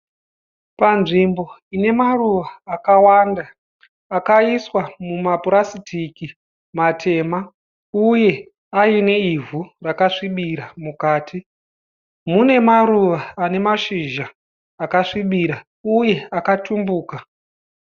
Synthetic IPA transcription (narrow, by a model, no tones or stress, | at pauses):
panʐimbo̞ine̞maruʋaːkawandaː | kaiswamumapuɾasitʰiki | matʰe̞ːma | uje̞ | aine̞ivurakaʂiɓiɾamukaːtʰi | mune̞maɾuʋaːne̞maʃiʒaː | kaʂiɓiɾa | uje̞akatʰumbuːka